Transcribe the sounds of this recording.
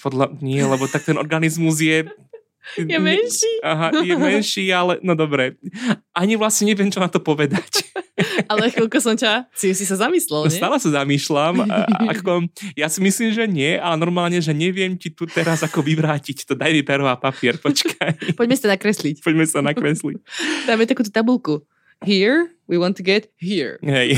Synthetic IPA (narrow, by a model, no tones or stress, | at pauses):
pɔd̪laɲɪɛlɛbɔt̪ak̚t̪ɛnɔ̰ɾɡanizmuzjɛ | jɛmɛnʃiaɦajɛmɛnʃiːalɛnɔd̪ɔbɾɛʔaɲiʋlasɲɛɲɛʋɪɛmt͡ʃɔnat̪ɔpɔʋɛd̪ac | alɛxilˠkɔsɔmcasisisazamiːslɛlˠɲsɛtaːlɛsazamiːʃlama̰kkɔjasimisliːmʒɛɲɪɛʔalɛnɔɾmaːlɲɛʒɛɲɛʋɪɛmcit̪ut̪ɛɾazakɔʋiʋɾaːcict̪ɔd̪ajmipɛɾʋapapiɪɛɾpɔt͡ʃkʰajpɔɟmɛsit̪anakɾɛslicpɔɟmɛsi̥anakɾɛslict̪amjɛt̪akuːt̪ut̪abulku | ɦiɹ | wiwɔ̃nt̪uɡɛt̪ɦiɹɦɛj